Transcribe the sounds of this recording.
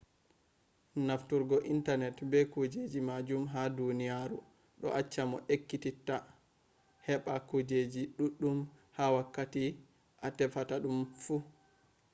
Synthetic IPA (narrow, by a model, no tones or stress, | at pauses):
naftuɾɡɔʔintanɛtbɛkud͡ʒed͡ʒimad͡ʒumɦadunijaɾṵ | ɗɔ̰ʔat͡ʃːamɔʔekːititːa | hɛɓakud͡ʒed͡ʒiɗuɗːum | hawakːati | ʔatɛfataɗumfu